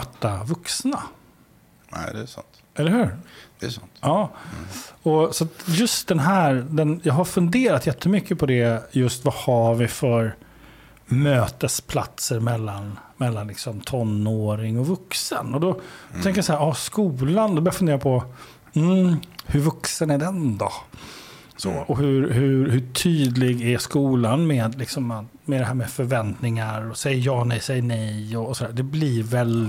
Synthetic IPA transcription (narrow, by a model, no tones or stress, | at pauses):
t̪ːavɵksna | ɛ̰d̪ɛsa̰nt̪ | ɛlːəɾhʉ̟ːɾd̪ɛsnt̪ɑː | ɔsɔat̪jɵst̪̚d̪ɛnɦæːɾd̪ɛnjɑːɦaɾfɵnd̪eːɾat̪jɛt̪ʰːəmʏkːəpʰɔd̪ɛjɵst̪vahavɪfœɾ | møːt̪əspʰla̰t̪səɾmɛlːanmɛlːanlɪksɔmt̪ʰɔnːoːɾɪŋɔvɵksə̰nɔd̪ɔt̪ʰɛ̃ŋkəɾjasahæːɾɑːskuːland̪ɔbœɾjafɵnd̪eːɾapʰɔ | m̩hɵɾvɵksənæɖɛnd̪ɔ | sɔ̰ːɔhɵɾɦɵɾhɵʈʰyːd̪lɪɡæskuːlanmɛːd̪lɪksɔmːat̪ | mɛd̪ɛɦæːɾmɛfœɾvɛnt̪nɪŋaɾɔsɛjːəjɑːnɛjsɛjːənɛjɔːsɔd̪æːd̪ɛblɪɾvɛl